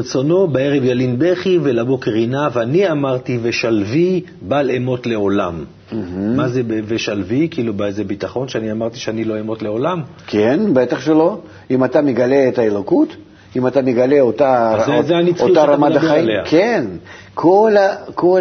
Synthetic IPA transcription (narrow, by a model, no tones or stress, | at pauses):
et͡so̞no̞beeʁevjalinbeχivelabo̞keʁinavaniamaʁt̪ive̞ʃalvi | balemo̞t̪le̞o̞lam | m̩ɦ̩ːazebeveʃalvikiilubaezebit̪aχo̞nʃeaniamaʁt̪i̥ʃeanilo̞emo̞t̪leo̞lam | kʲenbet̪aχʃelo̞ | imat̪amʲɪɡaleːt̪ɐelokut̪ | imat̪amʲɪɡale̞ot̪azezeanit͡soit̪aɾamad̪ɐaileakʰen | kʰolɐkʰo